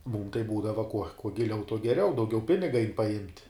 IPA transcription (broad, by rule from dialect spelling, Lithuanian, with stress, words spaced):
muːm tɐɪ ˈbuːdɐʋɐ kuɔ kuɔ ɡʲɪˈlʲɛʊ tuɔ ɡʲɛˈrʲɛʊ dɐʊˈɡʲɛʊ ˈpʲɪnʲɪɡɐ ɐɪn pɐˈjɪmʲtʲ